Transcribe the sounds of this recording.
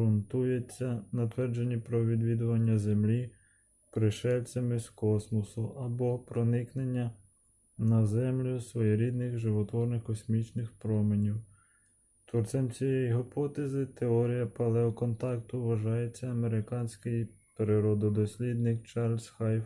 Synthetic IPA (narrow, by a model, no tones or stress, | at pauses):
ɾʊnt̪ujet͡sʲːɐnɐt̪ʋɛrd͡ʒenʲːipɾɔʋʲid̪ʋʲid̪ʊʋɐnʲːɐzemlʲi | pɾɪʃɛlʲt͡sʲɐmɪskɔsmɔsʊʔɐbɔpɾɔnɪknenʲːɐ | nɐzɛmlʲʊsʋɔjɛɾʲid̪nɪxʒɪʋɔt̪ʋɔrnɪxkɔsʲmʲit͡ʃnɪxpɾɔmenʲiw | t̪ɔrt͡ʃ̪ɛmt͡sʲijɛjiɦɪpɔt̪ezɪt̪eɔɾʲijɐpɐlˠɛɔkɔnt̪ɑkt̪ʊʋɐʒɑjet͡sʲːɐɐmeɾɪkɑnʲsʲkɪj | peɾɪɾɔd̪ɔd̪ɔsʲlʲid̪nɪkt͡ʃɑrlʲsxɑj